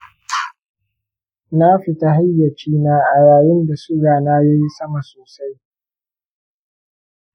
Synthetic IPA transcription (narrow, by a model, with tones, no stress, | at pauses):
na˦ɸɪ˨ta˦ɦa˦jːɐ˨t͡ʃiː˦naː˦ʔa˨jaː˨jɪ˦nda˨sʊ˦ɡaː˨naː˦ja˦ji˦sɐ˦ma˨soː˨sa˦j